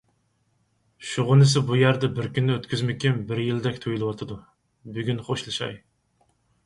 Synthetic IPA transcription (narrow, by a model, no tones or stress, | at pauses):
ʃuʁʊnɨsɪbujæɾd̪ɛbɪɾkʲynːɪøt̪kʲyzmɪkʲimbɪɾjild̪ɛkʲt̪ʰojilˠɨwɑt̪ʰɨd̪u | byɡʲynχoʃlˠɨʃɑ̰j